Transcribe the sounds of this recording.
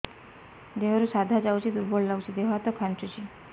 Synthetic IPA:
d̪eɦɾusad̪ʱad͡ʒawt͡ʃʰid̪uɾbɔɭlawt͡ʃʰid̪eɦoɦat̪ɔkʰant͡ʃut͡ʃʰi

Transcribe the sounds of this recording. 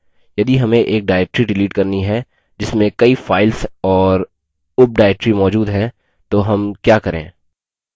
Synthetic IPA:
jɐd̪iɦɐmẽʔeːk̚ɖaːɛk̚ʈɾiɖɪliːʈkɐɾniɦɛ | d͡ʒɪsmẽkɐifaːɪlsɔːɾ | ʊp̚ɖaːɛk̚ʈɾimɔːd͡ʒuːd̪ɦɛ̃ | t̪oɦɐmkjaːkɐɾḛ̃ː

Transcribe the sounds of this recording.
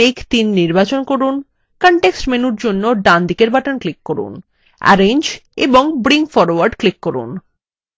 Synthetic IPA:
ekt̪inːiɾbat͡ɕonkoɾun | kɔɳʈeksʈmenuɾd͡ʑonːoɖand̪ikeɾbaʈanklikːoɾṵn | a̰ɾend͡ʑeboŋbɾiŋfɔɾowaɾɖklikːoɾṵn

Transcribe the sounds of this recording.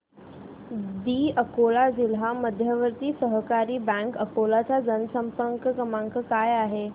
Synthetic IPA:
d̪iːəkolad͡ʑilɦaməd̪ʱjəʋəɾt̪iːsəɦkaɾiːbɛ̃ŋkəkolat͡sad͡zənsəmpəŋkəkəmãŋkəkajaɦe

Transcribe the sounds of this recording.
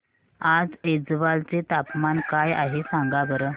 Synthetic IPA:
ad͡zed͡zʋalt͡set̪apmankaja̰ɦesãŋɡabəɾə

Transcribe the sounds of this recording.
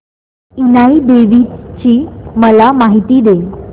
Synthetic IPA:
inaid̪eʋit͡ɕiːməlamaɦit̪iːd̪e

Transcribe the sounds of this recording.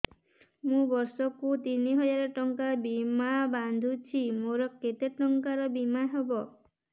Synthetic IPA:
mũbɔɾsɔkut̪iniɦɔd͡ʒaɾɔʈɔŋkabimaband̪ʱut͡ʃʰimoɾɔket̪eʈɔŋkaɾɔbimaɦebɔ

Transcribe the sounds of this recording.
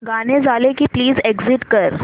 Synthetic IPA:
ɡaned͡zalekiːpliːzeɡziʈkəɾ

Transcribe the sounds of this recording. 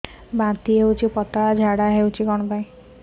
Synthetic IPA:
bãt̪iɦewt͡ʃʰipɔt̪ad͡ʒʱaɽaɦewt͡ʃʰiɡɔɽ̃ɔbaĩ

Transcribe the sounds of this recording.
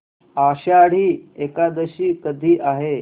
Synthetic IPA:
aɕaɽ̤iːekad̪əɕiːkəd̪ʱiːʔaɦe

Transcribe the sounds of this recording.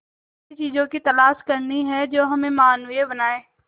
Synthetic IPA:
it͡ʃiːzõkit̪ɐlaːʃkɐɾniɦɛd͡ʒoːɦɐmẽmaːnʋiebɐnaːeː

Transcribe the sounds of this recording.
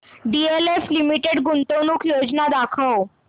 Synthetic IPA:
ɖieleflimiʈeɽɡunt̪onuːkʰjod͡znad̪akʰəw

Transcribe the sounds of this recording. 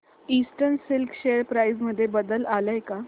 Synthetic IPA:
iːsʈəɾnsilkʰɕejəɾpɾajd͡zməd̪ʱːjebəd̪əlaləjka

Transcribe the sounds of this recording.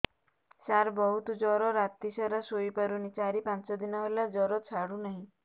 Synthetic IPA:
saɾbɔɦut̪ɔd͡ʒɔɾɔɾat̪isaɾasojpaɾunit͡ʃaɾipant͡ʃɔd̪inɔɦelad͡ʒɔɾɔt͡ʃʰaɽunaɦĩ

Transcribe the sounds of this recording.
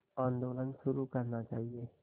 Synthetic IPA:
ãːnd̪oːlənʃʊɾukɐɾnat͡ʃaːɦieː

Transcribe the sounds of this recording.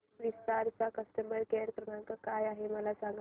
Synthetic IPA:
ɾist̪aɾt͡sakəsʈəməɾkeɾkɾənaŋkakajaɦeməlasãŋɡ

